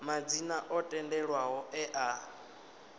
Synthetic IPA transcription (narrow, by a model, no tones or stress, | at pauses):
mad͡zinaʔɔtʼɛndɛɺwaɦɔɛʔa